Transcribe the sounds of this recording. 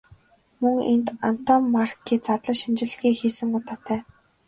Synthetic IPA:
mɵŋḛnt̪an̥t̪ɔmːarkːiːt͡sat̪ɮə̆ʃint͡ɕɪ̆ɮ̆ɣiːxiːsɘ̆ŋʊt̪aːt̪ʰæː

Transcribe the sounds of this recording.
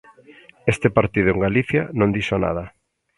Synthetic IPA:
est̪ɪpaɾt̪iðʊeŋɡaliθja̰nõnd̪iʃana̰ðɐ

